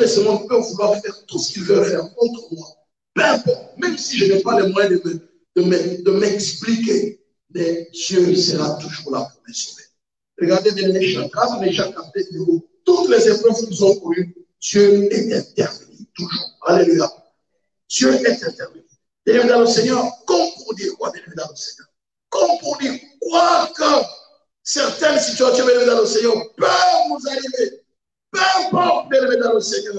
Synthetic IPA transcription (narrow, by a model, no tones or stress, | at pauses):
ɛsəmwãpøɔ̃vəlwaʁfɛʁt̪usə̥kilvəʁɛd̪ãkɔ̃t̪χəmwa | pøɛ̃pɔʁt̪mɛmsiʒənɛpalɛmwajɛ̃d̪əmə | d̪̥əmɛd̪əmɛksplike | mɛtjøisəʁat̪uʒuʁla̰puʁd̪ɛsɔmɛ | ʁəɡaʁd̪ed̪emənɛʃãt̪azɔlɛʒãkat̪ed̪evo | t̪ut̪lɛzepʁœvkinuzɔ̃kɔny | t̪øɛt̪ɛ̃t̪ɛʁvənit̪uʒuːʁaleliɡa | t̪jøʔɛt̪ɛ̃t̪ɛʁvəni | d̪elimẽd̪ɑ̃ləsɛɲœʁkɔ̃mpuʁd̪iʁkwad̪elimed̪ɑ̃ləsɛɲœʁ | kɔ̃puʁd̪iʁkwakɑ̃ | sɛʁt̪ɛnsit̪yasjɔ̃mɛlmed̪ɑ̃ləsɛɲœʁpœvnuzaʁive | pɛvpœvud̪elved̪ɑ̃ləsɛɲœʁ